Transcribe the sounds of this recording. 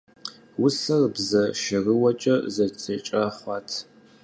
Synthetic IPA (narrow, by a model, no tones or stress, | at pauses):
wʊsɐrbzɐʃɐrəwɐt͡ʃʼɐzɐt͡sʼɐt͡ʃʼɐχʷɑːtʰ